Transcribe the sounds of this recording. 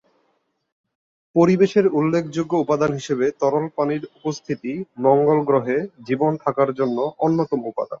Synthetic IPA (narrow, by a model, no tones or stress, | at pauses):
poɾibeʃeɾulːekʰd͡ʑoɡːoupad̪anɦiʃebet̪ɔɾolpaniɾupost̪ʰit̪imɔŋɡolɡɾoɦed͡ʑibont̪ʰakaɾd͡ʑonːoʔonːot̪omupa̰d̪an